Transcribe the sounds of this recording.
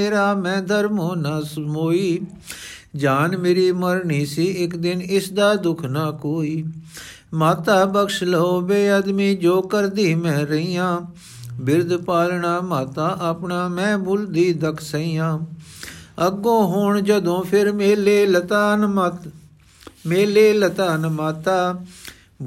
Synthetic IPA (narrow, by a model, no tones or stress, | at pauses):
eːɾaːmɛ̃ːd̪əɾmoːnaːsmoːiː | d͡ʒaːnmeːɾiːməɾɳiːsiːɪkd̪ɪnɪsd̪aːd̪ʊkʰnaːkoːiː | maːt̪aːbəkʃloːbeːəd̪miːd͡ʒoːkəɾd̪iːmɛ̃ːɾəiːãː | bɪɾd̪paːlɳaːmaːt̪aːʔəpɳaːmɛ̃ːbʊld̪iːd̪əkʰsəiːjãː | əɡõːɦʊɳd͡ʒəd̪õːpʰɪɾmeːleːlət̪aːn | meːleːlət̪aːnmaːt̪aː